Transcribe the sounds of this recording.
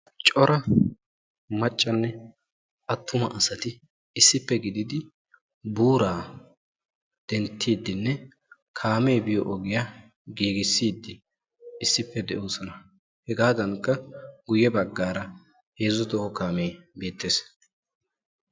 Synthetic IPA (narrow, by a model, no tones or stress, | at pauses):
t͡ʃʼɔɾʔɐ | mɐt͡ʃʼːɐnːɛ | ʔɐt̪ːʊmɐʔɐsɐt̪ɪː | sːɪpːɛɡɪd̪ɪd̪ɪ | buːɾaː | d̪̥ɛnt̪ʰːiːd̪ːɪnːɛ | kʰaːmejbɪjɔʔɔɡɪja | ɡiːɡɪsːiːd̪ːɪ | ɪsːɪpːɛd̪ɛʔoːsɔnɐ | hɛɡaːd̪ɐŋkːɐɡʊjːɛbɐɡːaːɾɐ | he̞ːzɔd̪ɔhɔkaːmejbeːt̪ːeːs